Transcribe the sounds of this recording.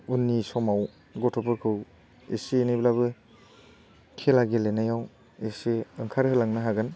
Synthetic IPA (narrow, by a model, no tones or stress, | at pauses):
unːisɔmaw | ɡɔtʰɔpʰɯɾkʰɯw | ḛsiːniblabɯ | kʰelaɡelenajaw | esiɯŋkʰaɾhɯlaŋnaɦaɡɯn